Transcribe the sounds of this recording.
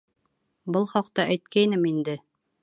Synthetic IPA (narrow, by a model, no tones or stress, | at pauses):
bɤlˠχɑqt̪ɑʔæjt̪kæjnɘmind̪ɘ